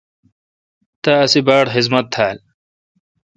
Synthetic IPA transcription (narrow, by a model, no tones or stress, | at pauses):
t̪aɐsibaːɽxizmɐt̪̚ʰːaːl